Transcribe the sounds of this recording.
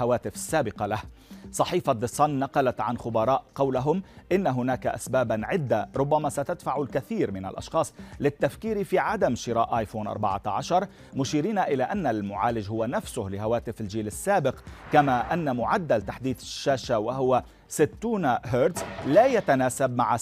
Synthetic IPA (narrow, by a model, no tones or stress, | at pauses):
awaːt̪ɪfḁsːaːbɪqɑlahsˤɑħiːfad̪ɨsˤɑnːɑqɑlat̪ʕanxʊbɑɾˤɑːʔqɑwlaɦʊmʔɪnːaɦʊnaːkaʔa̰sbaːbʕɪd̪ːaɾˤʊbːamasat̪ad̪faʕʊlkaθiːɾmɪna̰lʔɑ̰ʃxɑːsˤlɪt̪ːafkiːɾifiʕad̪amʃɪɾaːʔajfoːnʔɑ̰ɾˤbɑ̰ʕa̰ʕaʃɑɾˤ | mʊʃiːɾiːnaʔɪlaʔanːalmʊʕaːlɪd͡ʒhʊwanafsʊhlɪɦawaːt̪ɪfɪld͡ʒiːlɪsːaːbɪqkamaʔanːamʊʕad̪ːalt̪aħd̪iːd̪ɪʃːaːʃawaɦʊwa | sɪt̪ːuːnaɦəːɾd̪zlaːjat̪anaːsab̚maʕa